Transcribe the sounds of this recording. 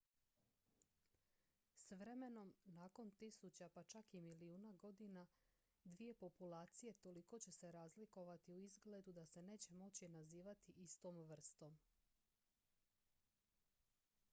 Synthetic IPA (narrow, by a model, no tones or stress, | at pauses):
sʋɾe̞me̞no̞mnaːko̞nt̪isut͡ɕapat͡ʃakimiliuːnaɡo̞d̪ina | d̪ʋije̞po̞pulaːt̪sije̞t̪o̞liko̞t͡ɕe̞se̞ɾaːzliko̞ʋat̪iuizɡle̞d̪ud̪ase̞ne̞ːt͡ɕe̞mo̞t͡ɕinaziːʋat̪iʔist̪o̞ːmʋr̩st̪o̞m